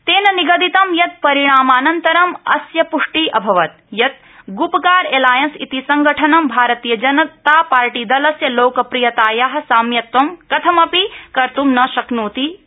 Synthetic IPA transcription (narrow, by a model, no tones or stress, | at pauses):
t̪eːnɐniɡɐd̪it̪ɐmjɐt̪̚pɐɾiɳ̃aːmaːnɐnt̪ɐɾɐmɐsjɐpuʂʈiʔɐbʱɐʋɐt̪̚ | jɐt̪̚ | ɡupɐkaːɾeːlaːjɐnsit̪isɐŋɡɐʈʰɐnɐmbʱaːɾɐt̪ijɐd͡ʒɐnɐt̪aːpaːɾʈiːd̪ɐlɐsjɐloːkɐpɾijɐt̪aːjaɦɐ̆saːmjɐt̪ʋɐmkɐt̪ʰɐmɐpikɐɾt̪umnɐʃɐknuːt̪i